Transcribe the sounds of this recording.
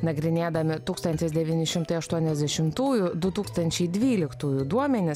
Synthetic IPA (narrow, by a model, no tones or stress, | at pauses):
nɐɡɾʲɪnʲeːd̪ɐmʲɪt̪uːkst̪ɐnʲt̪ʲɪsd̪ʲɛʋʲiːnʲɪʃʲɪmt̪ɐɪɐʃt̪uɔnʲɛzʲd̪ʲɛʃʲɪmt̪uːjʊd̪ʊt̪uːkst̪ɐnʲt͡ʃʲɛɪd̪ʲʋʲiːlʲɪkt̪uːjʊd̪uɔmʲɛnʲɪs